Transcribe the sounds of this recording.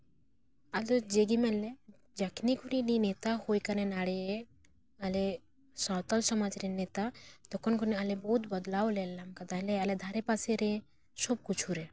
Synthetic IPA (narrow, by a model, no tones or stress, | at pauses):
alod͡ʒeɡimelːe | d͡ʒakʰnikunininet̪ahojkanenaɽe | ale | sɔːt̪ɔlsɔmad͡ʒɾenet̪at̪ɔkʰɔnkunialebɔɦut̪bɔd̪laolelːamkad̪alealed̪ʱaɾepaseɾe | sɔb̚kut͡ʃʰuɾe